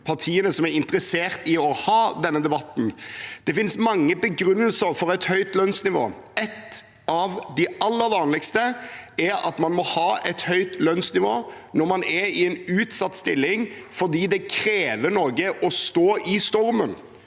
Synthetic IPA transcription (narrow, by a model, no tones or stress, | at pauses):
pʰɑʁt̪ʰiːənəsɔmæɾɪnt̪ɾəseːɾt̪ɪɔhɑːd̪ɛnːəd̪ɛbɑt̪ːn̩d̪̥ɛfɪnsmɑŋːəbəɡɾʉnːəlsəɾfɔɾɛt̪hœʏt̪lœnsnɪʋo̰ːɛt̪ː | ʔɑʋd̪ɪɑlːəɾʋɑːnlɪkst̪əɛɾɑ̰t̪mɑnmɔhɑːʔɛt̪hœʏt̪lœnsnɪʋo̰ː | nɔɾmɑnɛɾɪɛnʉːt̪sɑt̪ːst̪ɪlːɪŋfɔɾd̪iːd̪ɛkʰɾeːʋənɔɡəʔɔst̪oːʔɪst̪ɔɾmən